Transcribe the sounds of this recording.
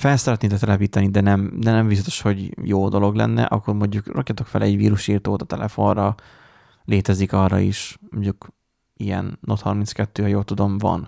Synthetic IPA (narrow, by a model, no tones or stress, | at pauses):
fɛlsɛɾɛt̪neːt̪ɛkt̪ɛlɛpiːt̪ɒnid̪ɛnɛmd̪ɛnɛmvizɒt̪o̥ʃho̞ɟjoːd̪o̞lo̞ɡlɛ̰nːɛ̰ʔɒkːo̞rmo̞ɲɟukrɒkjɒt̪o̞kfɛlɛɟvḭːɾuʃiːrt̪oːt̪ɒ̥t̪ɛlʔɛfo̞rɒ | leːt̪ɛzikɒrːɒ̰iʃmoɲːuk | ijɛ̰nːot̪hɒrmint̪skɛt̪ːøːhɒjoːlt̪ud̪o̞mvɒ̰n